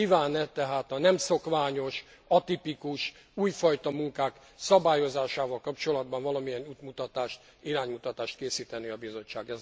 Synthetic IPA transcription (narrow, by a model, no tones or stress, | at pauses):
iːvaːnɛt̪ɛɦaːt̪ɒnɛmso̞kʋaːɲo̞ʃ | ɒt̪ipikuʃ | uːjfɒjt̪ɒmuŋkaːk | sɒbaːjo̞zaːʃaːvɒlkɒpt͡ʃo̞lɒd̪bɒɱvɒlɒmijɛnuːt̪mut̪ɒt̪aːʃt̪ | iɾaːɲmut̪ɒt̪aːʃt̪keːsiːt̪ɛniɒbizo̞t͡ʃːa̰ːɡɛz